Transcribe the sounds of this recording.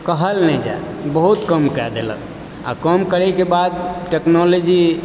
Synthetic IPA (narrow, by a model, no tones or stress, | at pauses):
kəɦəlnɛd͡ʒa̰ | bəɦut̪kəmkɛd̪elə̰k | a̰kəmkəɾɛkebad̪ʈeknɔlod͡ʒi